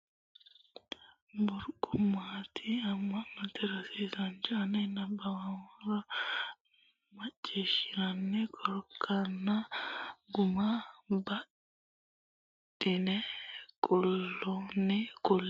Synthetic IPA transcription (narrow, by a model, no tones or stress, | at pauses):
bʊɾkʼʊmːaːt̪ʰiɐmːɐnːɐt̪ɛɾɐsiːsɐnd͡ʒɐɐnɛnːɐbɐwɐwɐɾɐ | mɐt͡ʃʼːeːʃɪɾɐnːɛkʼɔɾkʰːɐnːɐ | ɡʊmabɐ | dɪnɛkʼɔlːɔnɛkʼɔlː